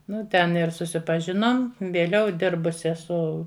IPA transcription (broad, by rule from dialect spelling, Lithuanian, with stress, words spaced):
ˈnʊ tʲɛn ɪr sʊsʲɪpɐˈʒʲɪnoːm ʋʲeːˈlʲɛʊ ˈdʲɪrbʊsʲɪ ɛˈsʊ